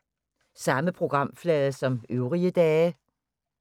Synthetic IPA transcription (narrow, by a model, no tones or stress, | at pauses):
sɑ̈məpʰʁo̝ɡ̥ʁɑ̈m̰flɛðˠəsɒ̽møʊʁiəd̥ɛː